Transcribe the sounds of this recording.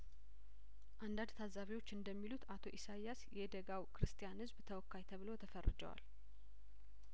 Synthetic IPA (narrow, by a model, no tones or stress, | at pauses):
ʔand̪and̪t̪ʰazaβiwo̞t͡ʃːɨnd̪əmːilut̪at̪ʰo̞̰ʔisajasjɛd̪əɡawkʰɨɾɨst̪ʰʼijanhɨzbt̪ʰəwɔkːajt̪ʰəβɨlo̞t̪ʰəfərːɨ̰d͡ʒə̰wa̰l